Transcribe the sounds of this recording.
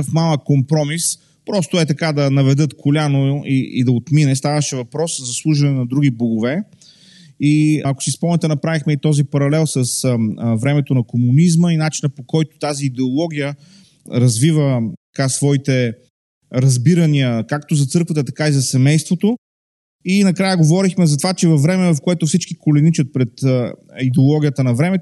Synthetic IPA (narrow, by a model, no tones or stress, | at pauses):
fmalˠəkkompɾɔmis | pɾɔst̪oɛt̪ɐkad̪ɐnɐvɛd̪ɤt̪kʰolʲanoiḭd̪ɐot̪minɛst̪avəʃɛvɐpɾɔszɐslˠuʒɐnɛnɐd̪ɾuɡiboɡʊvɛ | iɐko̥sispɔmnɛt̪ɛnɐpɾavixmɛit̪ɔzipɐɾɐlɛlˠsəsvɾɛmɛt̪onɐkomunizməinat͡ʃinəpokɔjt̪ʊ̥t̪aziːd̪ɛolˠɔɡ̟ʲijə | ɾɐzvivət̪ɐkasvɔit̪ɛ | ɾɐzbiɾɐniəkakt̪ozɐt̪sɤɾkvət̪ət̪ɐkaizɐsɛmɛjst̪vot̪o | inɐkɾajəɡovɔɾixmɛzɐt̪ovat͡ʃɛvɐfːɾɛmɛvɐfkoɛt̪ʊfsit͡ʃkikolɛnit͡ʃət̪̚pɾɛt̪id̪ɛolˠɔɡʲijət̪ənɐvɾɛmɛt̪